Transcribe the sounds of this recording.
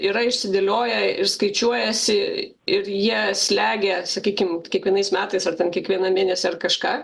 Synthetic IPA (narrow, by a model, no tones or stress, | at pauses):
iːɾɐɪʃʲsʲɪd̪ʲelʲoːjɛɪɾskɐɪt͡ʃʲuɔjɛsʲɪ | ɪɾjiɛsʲlʲæːɡʲɛsɐkʲiːkʲɪmkʲiɛkʋʲiɛnɐɪsmʲæːt̪ɐɪsɐrt̪ʲɛnkʲiɛkʋʲiɛnɐmʲeːnʲɛsʲɛɐrkɐʃkɑː